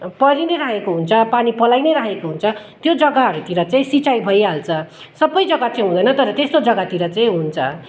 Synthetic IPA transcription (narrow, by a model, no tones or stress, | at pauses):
pʌɾineɾaekoɦunt͡sʰʌpanipʌlajneɾaɦekoɦunt͡sʰʌt̪jod͡zʌɡaɦʌɾut̪iɾʌt͡saĩsit͡sajbʱʌjɦalt͡sʰʌ | sʌbːʌjd͡zʌɡat͡saĩɦũd̪ʌjnʌt̪ʌɾʌt̪est̪od͡zʌɡat̪iɾʌt͡saĩɦunt͡sʰʌ̰